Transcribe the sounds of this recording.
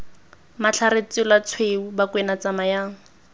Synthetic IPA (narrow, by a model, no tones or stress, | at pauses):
mat͡ɬʰaɾet͡sɪlat͡sʰweubakʼwenat͡samajaːŋ̩